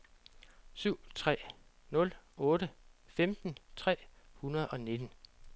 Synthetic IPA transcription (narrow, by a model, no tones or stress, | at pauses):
syʊ̰t͡sʰʁɛ̰ː | nɔ̽lɔ̽ːɾəfemd̥n̩t͡sʰʁɛ̰ːhunɐð̞̩ˠɒ̽ne̝d̥n̩